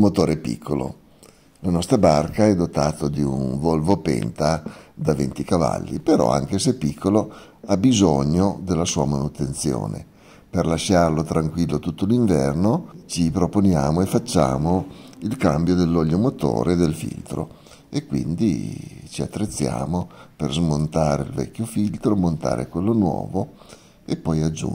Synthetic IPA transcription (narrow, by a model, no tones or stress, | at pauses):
mot̪oːɾɛpḭkʰːolo̰ | lanɔst̪ɾabarkaɛd̪ot̪aːt̪od̪iunvolvopɛ̰nt̪ad̪avḛnt̪ikava̰lːḭpeɾɔ̰a̰ŋkesepːikʰːolo | abizoɲod̪elːasuːamanut̪ent̪sjo̰ːnḛ | perlaʃːarlot̪ɾaŋkwilːot̪ut̪ːoliɱvɛ̰rnot͡ʃipɾoponjaːmoefat͡ʃːa̰ːmoilkambjod̪elːɔʎːomot̪o̰ːɾed̪elfḭlt̪ɾo̰ | ekːwḭnd̪ḭt͡ʃiat̪ːɾet̪sːja̰ːmoperzmont̪aːɾḛḭlvɛ̰kʲːjofilt̪ɾomont̪a̰ːɾʔḛkwelːonwɔ̰ːvo | epːɔjad͡ʒṵ